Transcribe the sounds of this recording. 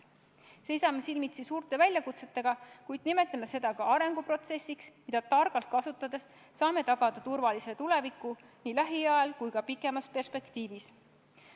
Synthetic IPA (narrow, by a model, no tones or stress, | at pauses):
se̞jsɑmesilmit̪sisuːɾt̪ˑe̞vælʲjɑkut̪se̞t̪ːe̞ɡ̥ɑkujd̪̥nime̞t̪ːˑimese̞d̪̥ɑkɑɑɾe̞ŋɡ̥upro̞t̪se̞sʲːiksmid̪ɑt̪ɑrɡ̥ɑlt̪̚kɑsut̪ːˑɑd̪̥e̞sː | ɑːme̞t̪ɑɡ̥ɑd̪̥ɑt̪urvɑlise̞t̪ule̞vikːu | niːlæɦiɑɑlkujkɑpikːˑe̞mɑspe̞rspe̞kt̪iːvis